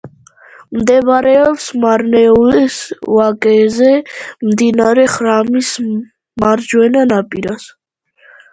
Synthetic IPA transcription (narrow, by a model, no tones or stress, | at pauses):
md̪ɛbɾɛɔpsmaɾnɛulɛsvakʼɛzɛmd̪inaaɾɛχɾamis | maɾd͡ʒwɛnanapʼiɾas